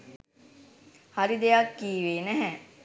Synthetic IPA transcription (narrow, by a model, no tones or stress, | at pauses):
haɾid̪ejakːiːʋeːnɛɦɛ